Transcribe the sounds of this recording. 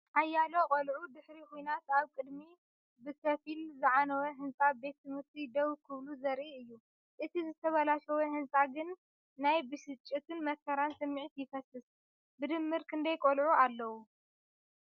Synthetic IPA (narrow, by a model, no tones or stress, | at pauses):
ʔajːalokʼolʕud̪ɨħɾikʰujnat̪aβkʼɨd̪mi | bɨkʰɐfilzɨʕanɐwɐɦɨnt͡sʼabe̞t̪ːɨmɨɾt̪ʰid̪ɐwkʰɨβluzɐɾʔiɨjːu | ʔɨt̪ʰizɨt̪ʰɐβɐlaʃɐwɐhɨnsʼaɡɨnː | ajbɨʃɨt͡ʃʼːɨt̪ʰɨnmɐkʰɐɾansɐmːiʕit̪jɪfɐsɨs | bɨd̪ɨmːɨɾkʰɨnd̪ɐjkʼolʕualːɐwu